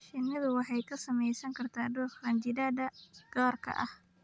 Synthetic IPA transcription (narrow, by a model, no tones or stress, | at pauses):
ʃɪnɐðʊwɑħɑjkʰɐsɐmɛjsɐŋkʰɐrt̪ʰaːɖuːħrɐnd͡ʒɪdaːd̪ɐɡ̥aːrkʰɐ̰ʔɐh